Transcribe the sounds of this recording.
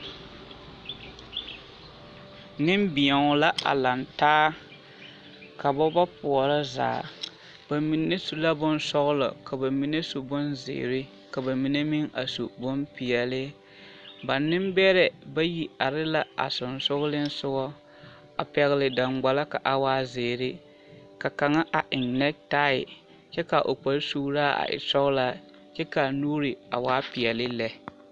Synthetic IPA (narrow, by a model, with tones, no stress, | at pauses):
nɪ˦m˦bɪ˨ɛ˨ŋ˨la˦ʔa̰˨la˨ntaː˦ | ka˨ba˦ba˦pʊ˨ɔ˨ɾa˦za̰ː˨ | ba˨mi˨ne˦su˨la˦bʊ˦n˦sɔ˦ɣʊ˦lɔ̰˨ka˨ba˨mi˨ne˦su˨bʊ˦nzɪ̰˨ɾɪ˦ | ka˨ba˨mi˨ne˦mi˦ŋa˨sṵ˨bʊ˦mpi˨ɛ˨lɪ˦ | ba˨nːɪ˦mbɛ˦ɾɛ˨ba˦ji˨a˨ɾɪ˦la˦ʔa̰˨sʊ˨nsʊ˦ɣʊ˦lɪ˦n̩˦sʊ˦ɡɔ˦ | a˨pɛ˦ɣɪ˦lɪ˨da˨ŋɡ͡ba˨la˦ka˨ʔa˨waː˦zɪː˨ɾɪ˦ | ka˨ka˨ŋa˦ʔa˨ʔɪ˨ŋnɛ˦k̚ta˦ɪ̰˨ | t͡ʃɛ˦ka˨ʔo˨k͡pa˨lsu˦ɾaː˦ʔa̰˨ʔɪ̰˨sɔ˦ɣʊ˦la˦ | t͡ʃɛ˦ka˨nuː˦ɾɪ˨a̰˨waː˦pɪ˨ɛ˨lɪ˦lɛ˨